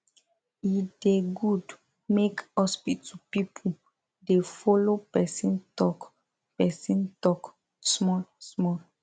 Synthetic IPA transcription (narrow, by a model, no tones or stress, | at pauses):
ideɡud | mekhɔspitupipʰu | defɔlopɛsĩntɔk | pɛsĩntɔk | smɔlsmɔ